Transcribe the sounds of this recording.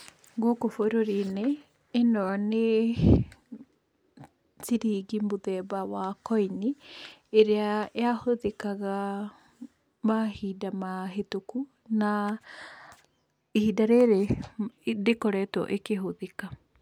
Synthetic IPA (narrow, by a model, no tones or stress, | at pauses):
ɡokofoɾoɾineː | nɔne | t͡siɾiːɡimbuðɛbawakojniː | ɾeaeahoðekaɡa | mahidamaɦetuku | na | ihidaɾeɾe | ɾekoɾɛto̰ʔekeɦoðeka